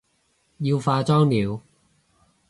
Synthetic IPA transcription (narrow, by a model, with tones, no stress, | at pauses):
jiː˧wfaː˧t͡sɔː˥ŋliː˨˧w